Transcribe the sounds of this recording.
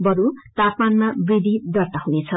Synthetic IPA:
bʌɾut̪apmanmabrid̪ʱid̪ʌrt̪aɦunet͡sʰʌ

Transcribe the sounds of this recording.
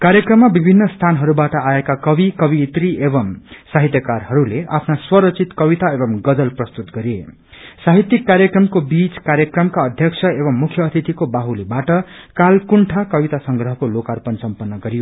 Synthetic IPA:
kaɾjʌkrʌmːabibʱinːʌst̪ʰanɦʌɾubaʈʌaekakʌbikʌbit̪riebʌmsaɦit̪jʌkarɦʌɾuleʔa̰pʰnaswʌɾʌt͡sʰit̪kʌbit̪aebʌmɡʌd͡zʌlprʌst̪ut̪ɡʌɾe | saɦit̪ːikːaɾjʌkrʌmkobit͡skaɾjʌkrʌmkaʌd̪ʱjʌkt͡sʰʌebʌmːukʰjʌːt̪ʰit̪ikobaɦulibaʈʌkalkuɳʈʰakʌbit̪asʌŋɡrʌɦʌkolokarpʌnsʌmpʌnːʌɡʌɾijo

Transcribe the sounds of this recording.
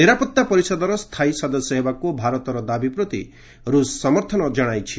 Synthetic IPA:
niɾapɔt̪ːapɔɾisɔd̪ɔɾɔst̪ʰajsɔd̪ɔsjɔɦebakubʱaɾɔt̪ɔɾɔd̪abipɾɔt̪ḭ | ɾussɔmɔɾt̪ʰɔnɔd͡ʒɔɽ̃ajt͡ʃʰi

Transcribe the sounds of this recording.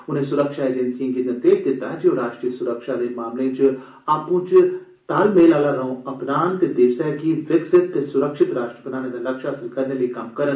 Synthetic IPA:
ʊnẽːsʊɾəkʃaːeːd͡ʒɛnsiãːkiːt̪ənt̪eːʃt̪ed̪aːd͡ʒjoːɾaːʃʈɾijəsʊɾəkʃaːd̪eːmaːmlẽːt͡ʃ | aːpũːt͡ʃ | t̪aːlmeːlaːlaːɾəõːɐpnaːnt̪ed̪eːsɛɡiʋɪksɪt̪ːesʊɾəkʃɪt̪ɾaːʃʈɾəbənaːneːd̪aləkʃaːəsəlkəɾneːləikɐmkəɾən

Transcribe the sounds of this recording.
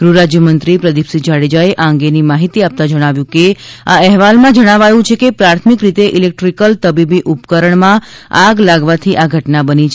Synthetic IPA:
ɡ̥ɾuɾad͡ʒjəmənt̪ɾipɾəd̪ipsid͡ʒaɽid͡ʒaeʔaə̃ŋ̆ɡenimaɦit̪iap̚t̪ad͡ʒəɽ̃aʋjũkeaɛɦʋalmãd͡ʒəɽ̃aʋajũt͡ʃʰekepɾaɾt̪ʰmikɾit̪eʔilek̚ʈɾikəlt̪əbibiʔupkəɾəɳmãaɡlaɡʋat̪ʰiʔaɡʱəʈnabənit͡ʃʰ

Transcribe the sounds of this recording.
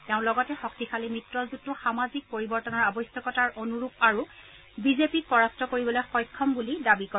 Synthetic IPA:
tɛʊ̃lɔɡɔtɛxɔk̚tikʰalimɹitɹɔzutːʊxamazik̚poɹibɔɹtɔnɔɹabɔjsjɔkɔtaɹʔonuɹupaɹu | bizepik̚pɔɹastɔkoɹibɔlojxɔjkʰːɔmbulidabikɔ

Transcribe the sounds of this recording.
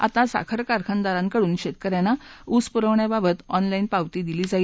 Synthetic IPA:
a̰t̪asa̰kʰəɾkaɾkʰənd̪aɾãŋkəɽuːnɕet̪̚kəɾjanːauspuɾəʋɳjababət̪ɔnlainpaʋt̪iːd̪iliːd͡zai

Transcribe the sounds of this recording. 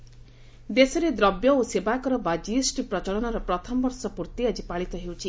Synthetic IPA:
d̪esɔɾed̪ɾɔbjɔosebakɔɾɔbad͡ʒisʈipɾɔt͡ʃɔɭɔnaɾɔpɾɔt̪ʰɔmɔbɔɾsɔpuɾt̪iad͡ʒipaɭit̪ɔɦewt͡ʃʰi

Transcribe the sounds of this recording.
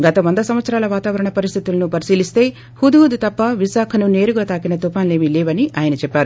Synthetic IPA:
ɡɐt̪ɐʋɐnd̪ɐsɐmʋɐt̪sɐɾaːlɐʋaːt̪aːʋɐɾɐɳɐpɐɾist̪ʰit̪ulɐnupɐɾisiːlist̪e̞ː | hud̪uɦud̪ut̪ɐpːɐʋisaːkʰɐnune̞ːɾuɡɐt̪aːkinɐt̪upaːnle̞ːmilɛːʋɐniʔaːjɐnɐt͡ʃɛpːaːɾu

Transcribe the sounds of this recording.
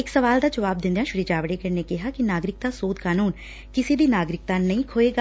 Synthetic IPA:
ɪksəʋaːld̪aːd͡ʒəʋaːb̚d̪ɪ̃nd̪ãːʃʊɾiːd͡ʒaːʋəɽeːkəneːkɪɦaːkɪnaːɡɾɪk̚t̪ãːsoːd̪kaːnuːn | kɪseːd̪iːnaːɡɾɪk̚t̪ãːnəĩːkʰoːeːɡaː

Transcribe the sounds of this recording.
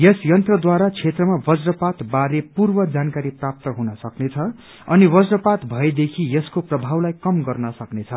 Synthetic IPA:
jesjʌnt̪rʌd̪waɾat͡sʰet̪rʌmabʌd͡zrʌpat̪baɾepurbʌd͡zankaɾiprap̚t̪ʌɦunʌsʌknet͡sʰʌ | ʌniwʌd͡zrʌpat̪bʱʌed̪ekʰijeskoprʌbʱawlajkʌmɡʌrnʌsʌknet͡sʰʌ

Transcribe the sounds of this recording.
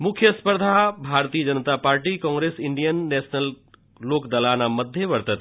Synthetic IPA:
mʊkʰjəspəɾd̪ʱabʱaɾt̪ijəd͡ʒənət̪apaːɾʈikɔ̃ːŋɡɾesɪɳɖijənːɛsnəl | lokd̪alanaməd̪ʱjeʋəɾt̪ət̪

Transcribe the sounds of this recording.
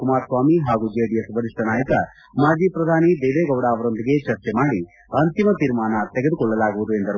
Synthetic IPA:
kumaːɾsʋaːmiɦaːɡud͡ʒeːɽijɐsbɐɾiʂʈɐnaːjɐkɐ | maːd͡ʒiːpɾɐd̪ʱaːnid̪eːʋeːɡɐwɽaːɐʋɐɾo̞nd̪iɡet͡ʃɐɾt͡ʃɛmaːɽi | ɐnt̪imɐt̪iɾmaːnɐt̪ɛɡed̪ukɔɭːɐlaːɡuʋud̪ue̞nd̪ɐɾu

